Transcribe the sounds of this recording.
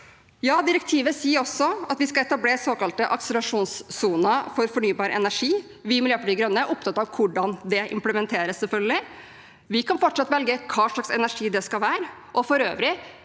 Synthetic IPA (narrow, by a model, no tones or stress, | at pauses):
jɑːd̪ɪɾəkt̪ʰiːʋəsiːəɾɔsːɔɑt̪ʋɪskɑɛt̪ɑbleːsoːkɑlt̪əʔɑksəlɑʂuːnsːuːnəfɔɾfɔɳyːbɑːɾəʔɛ̰næʂiː | ʋɪmɪljøːpɑɖiɡɾœnːəʔʊp̚t̪ʰɑt̪ːɑʋkʰʊɖɑnd̪ɛʔɪ̰mpləmɛnt̪ʰeːɾəsːɛlfœlɡəlɪ | ʋɪkʰɑnfɔʈːʂɑt̪ʋɛlɡəkʰɑːʂɭɑksɛ̰næʂiːd̪ɛskɑlʋæːɾə | ʔɔfɔɾø̰ːʋɾɪ